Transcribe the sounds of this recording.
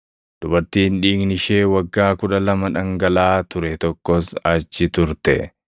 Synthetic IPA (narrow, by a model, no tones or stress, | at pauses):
d̪̥ʊbɐɾt̪iːnᶑiːɡnɪʃe̞ːwɐɡːaːkʊᶑɐlɐmɐᶑɐŋɡɐlaːt̪ʊɾɛt̪ɔkːɔsɐt͡ʃːɪt̪ʊɾt̪ɛ̰